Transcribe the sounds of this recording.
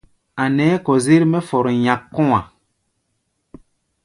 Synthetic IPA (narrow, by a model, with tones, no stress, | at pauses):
a˨nɛː˨˦kɔ˨zi˦ɾmɛ˦fɔ˨ɾɔ˨ɲa˨kːɔ˦ŋa˨